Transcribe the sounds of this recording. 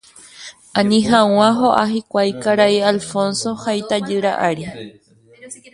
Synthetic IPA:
ãnĩɦãw̃ãɦoʔaɦikʷajkaɾaialfõnso̞hajt̪ad͡ʒɨɾaʔaɾi

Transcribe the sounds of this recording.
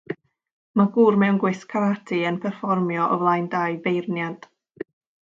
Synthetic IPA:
maɡuːrmɛwnɡwɨskʰavatʰiənpʰɛrfɔrmjɔʔɔ̰vlˠajndajbejrnjad̥

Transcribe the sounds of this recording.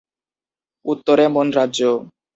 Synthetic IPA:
ut̪ːoɾemonɾadʑo

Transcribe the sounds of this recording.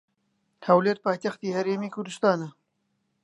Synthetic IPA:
hɐwleɾ̚paːjt̪ɐxt̪iːhɐɾeːmiːkʊɾd̪ɨst̪ɑːnɐ

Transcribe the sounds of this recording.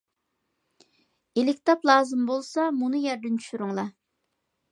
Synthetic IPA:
elɪk̚ʲt̪ɑplˠɑːzɨmbolˠsɑmunɨjɛɾd̪ɪnt͡ʃʰy̥ʃyɾʊŋlˠɑ

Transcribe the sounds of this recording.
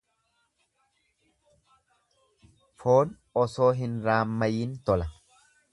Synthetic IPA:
foːn | ɔso̞ːɦɪnɾaːmːɐjiːnt̪ɔlɐ

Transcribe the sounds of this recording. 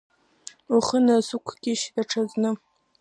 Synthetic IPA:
uχənasukʷʰɡʲɪʃdaʈ͡ʂʰaznɨ

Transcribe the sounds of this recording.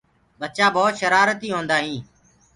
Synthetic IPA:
ɓət͡ʃãːbɔːt̪ʃəɾaːɾət̪iːɦõːnd̪aːɦĩː

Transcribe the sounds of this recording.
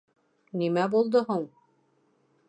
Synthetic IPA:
nimæbulˠd̪oɦoɴ

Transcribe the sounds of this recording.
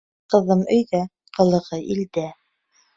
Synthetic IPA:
qɤ̆ðɤmɵ̆jðæ | qɤ̆lˠɤ̆ʁɤʔild̪æ

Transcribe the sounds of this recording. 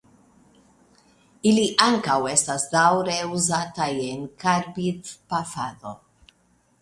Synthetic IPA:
iliʔaŋkawɛst̪asd̪awɾeuzat̪ajeŋkʰaɾbit̪pafaðo

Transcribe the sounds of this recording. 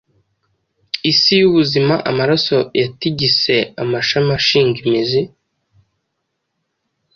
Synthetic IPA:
isijuβuzimaʔamaɾaso̞jatiɟise̞amaʃamaʃiːŋɡimizi

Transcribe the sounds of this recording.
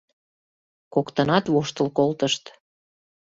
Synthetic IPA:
kokt̪ənɑt̪βoʃt̪əlkolt̪əʃt̪

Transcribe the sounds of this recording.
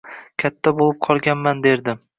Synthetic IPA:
kʲʰat̪ʰːabolˠɪp̚qʰɒlˠɡʲanmand̪e̞ɾd̪ɪ

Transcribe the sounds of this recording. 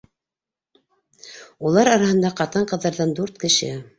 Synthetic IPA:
ulˠɑɾɑɾɑhɤ̆nd̪ɑqɑt̪ɤɴqɤ̆ðːɑɾðɑnd̪uɾt̪kɘ̆ʃɘ̰

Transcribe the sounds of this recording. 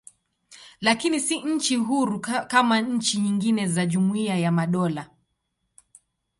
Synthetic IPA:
lakinisiɲ̩t͡ʃiɦuɾukamaɲ̩t͡ʃiɲiŋɡinɛzaʄumuiajamaɗɔla

